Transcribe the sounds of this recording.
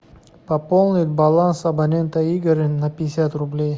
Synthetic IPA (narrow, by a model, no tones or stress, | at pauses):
pɐpolˠnʲɪt̪̚ʲbɐlˠansɐbɐnʲe̞nt̪əiɡɾɨnɐpʲɪɪsʲat̪rʊblʲej